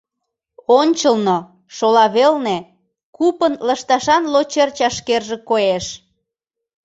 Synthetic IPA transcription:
onʲt͡ɕəlno | ʃolɑβelne | kupənləʃt̪ɑʃɑnlot͡ɕert͡ɕɑʃkerʒekoeʃ

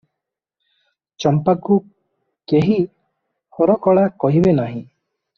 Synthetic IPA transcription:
t͡ʃɔmpaku | keɦi | hɔɾɔkɔɭakɔɦibenaɦĩ

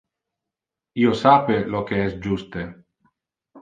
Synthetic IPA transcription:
iosapelokeɛsd͡ʒust̪e

